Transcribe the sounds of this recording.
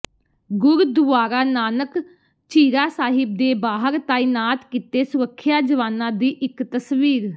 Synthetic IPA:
ɡʊɾd̪ʊʋaːɾaːnaːnək | t͡ʃiːɾaːsaːɦɪb̚d̪eːbaːɦəɾt̪aːinaːt̪kit̪eːsʊɾəkʰːjaːd͡ʒəʋaːnãːd̪iːʔɪkt̪əsʋiːɾ

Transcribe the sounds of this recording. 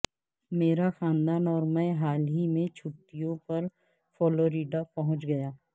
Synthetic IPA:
meːɾaxãːnd̪aːnɔːɾmɛ̃ɦaːlɦimẽt͡ʃʰʊʈːijõpɐɾ | fɔːloːɾiːɖapɐɦʊ̃t͡ʃɡɐjaː

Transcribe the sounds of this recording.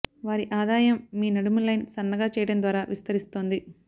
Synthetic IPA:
ʋaːɾiʔaːd̪aːjɐmːiːnɐɽumulɐjnsɐnːɐɡaːt͡ʃɛːjɐɽɐmd̪ʋaːɾaːʋʔist̪ɐɾist̪o̞ːnd̪i

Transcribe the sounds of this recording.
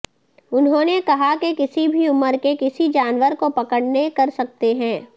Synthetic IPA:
ʊnɦõːnekɐɦakekɪsibʱiʊməɾkekɪsid͡ʒaːnʋəɾkopɐkəɽnekɐɾsɐk̚t̪eɦɛ̃ː

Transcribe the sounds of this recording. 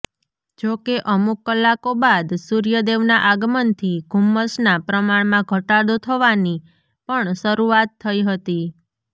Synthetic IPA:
d͡ʒokeʔəmukːəlːakobad̪suɾijəd̪eʋnaʔaɡmənt̪ʰiɡʱumːəsnapɾəmaɳmãɡʱəʈad̪ot̪ʰəʋani | pəɳʃəɾuat̪ʰːəiɦət̪i

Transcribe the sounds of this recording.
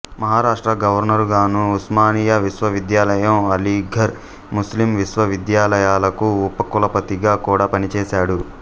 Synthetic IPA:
mɐɦaːɾaːʂʈɾɐɡɐʋɐɾnɐɾɡaːnuusmaːniːjɐʋisʋɐʋid̪jaːlɐjɐmɐliɡʱɐɾ | muslimʋisʋɐʋid̪jaːlɐjaːlɐkuːpːɐkulɐpɐt̪iɡaːkuːɽaːpɐnit͡ʃɛːsaːɽu

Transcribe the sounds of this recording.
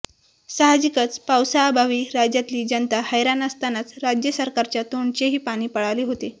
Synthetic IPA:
saɦad͡ʑikət͡spawsaːbʱaʋiːɾad͡ʑjat̪liːd͡ʑənt̪ahəjɾanəst̪anat͡sɾad͡ʑjəsəɾkaɾt͡ɕjat̪oɳt͡ɕeɦiːpaɽ̃iːpəɽaleɦot̪e

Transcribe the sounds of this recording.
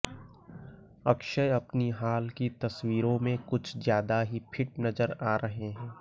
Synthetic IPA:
ɐkʃəjɐpniɦaːlkit̪ɐswiːɾõmẽkʊt͡ʃʰzjaːd̪aɦipʰɪʈ̚nɐzəɾaːɾʔɐɦeɦɛ̃ː

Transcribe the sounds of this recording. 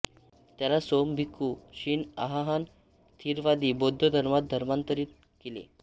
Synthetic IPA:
t̪jalasombʱikːuɕiːna̰ɦaɦan | t̪ʰiːɾʋad̪iːbod̪ʱːəd̪ʱəɾmat̪̚d̪ʱəɾmant̪əɾiːt̪̚ | kelḛ

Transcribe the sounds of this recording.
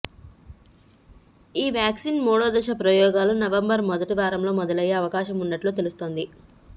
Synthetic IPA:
iːʋjaːksiːnmɔːɽoːd̪ɐʃɐpɾɐjɔːɡaːlunɐʋɐmbɐɾmɔd̪ɐʈiʋaːɾɐmlo̞ːmɔd̪ɐlɐjːeɐʋɐkaːʃɐmunːɐʈlut̪e̞lust̪o̞ːnd̪i

